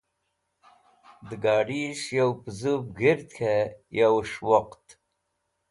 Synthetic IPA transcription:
d̪əɡɑːɖiʂjawpzubɡiɾt̪kʰejawʂwoqt̪

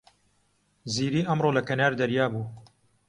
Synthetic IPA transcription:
ziːɾiːʔɐmɾoːlɐkɐnaːɾd̪ɐɾjaːbuː

